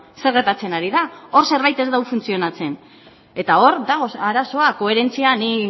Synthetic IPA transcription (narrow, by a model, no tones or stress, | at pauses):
se̞ɾɣe̞ɾt̪at͡se̞naɾiðao̞ɾse̞ɾβajt̪e̞zd̪awfunt͡sio̞nat͡se̞n | e̞t̪ao̞ɾd̪aɣoaɾaso̞ako̞e̞ɾe̞nt͡siani